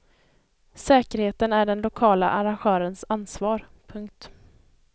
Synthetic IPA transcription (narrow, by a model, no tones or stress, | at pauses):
sɛːkəɾheːt̪ənæɖɛnlʊkʰɑːla̰ʔaɾanɧœːɾənsanːsvɑːɾpʰɵŋk̚t̪